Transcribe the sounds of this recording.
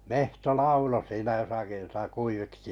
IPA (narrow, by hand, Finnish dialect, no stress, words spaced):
mehto lɑulo siːnæ josɑki jotɑ kuiʋiks